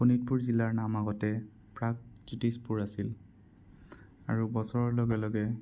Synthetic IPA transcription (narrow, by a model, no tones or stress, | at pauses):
xunit̚puɹzilaɹnamaɡɔtɛ | pɹak̚z̥itispuɹasil | aɹubɔsɔɹɔɹlɔɡɛlɔɡɛ